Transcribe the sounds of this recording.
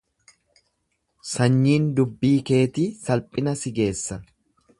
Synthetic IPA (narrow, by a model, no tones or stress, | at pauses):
sɐɲːiːnd̪ʊbːiːke̞ːt̪iːsɐlpʼɪnɐsɪɡe̞ːsːɐ